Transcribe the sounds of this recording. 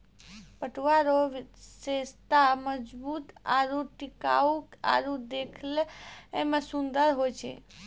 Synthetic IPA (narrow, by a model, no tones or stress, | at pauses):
pəʈʋaɾoʋsest̪aməd͡ʒbut̪aɾuʈika̰uka̰ɾud̪ekʰleemãsũnd̪əɾɦojt͡ʃʰḛ